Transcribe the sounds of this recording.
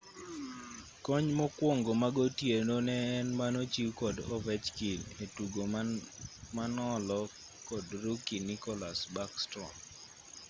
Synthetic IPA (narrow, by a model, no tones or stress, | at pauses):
kɔɲmɔkwoŋɡomaɡotjenonɛːnmanot͡ʃikɔdɔvɛt͡ʃkiletuɡo | manɔlɔ | kɔdɾukinikɔlasbakstɾɔ̰m